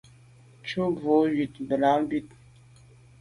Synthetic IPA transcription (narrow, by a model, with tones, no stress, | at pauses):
t͡ʃʰu˦vo˨ɥi˨t̪bə˨laː˨˦bi˦t̪